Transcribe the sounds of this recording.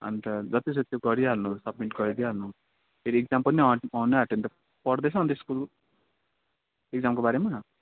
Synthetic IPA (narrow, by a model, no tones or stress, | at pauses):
ʌ̰nt̪ʌd͡zʌt̪is̬ot̪joɡʌɾialnusʌb̚miʈɡʌɾid̪iɦalnu | eɾiek̚d͡zampʌniʌʌneɦaʈent̪ʌ | pʌɽd̪et͡sʰʌ̃ːnt̪eskul | ek̚d͡zamkobaɾema